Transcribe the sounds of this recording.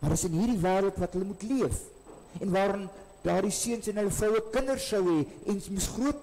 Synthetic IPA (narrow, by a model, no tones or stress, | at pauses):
mɐrdəsənɦiːrdivæːɾəlˠtvɐtɦələmutliəf | ɛnvɑːɾɔn | d̥ɑːrdisiənsɛnɦələfrəwəkəndərsəwɦɛʔɛnmusχruət̚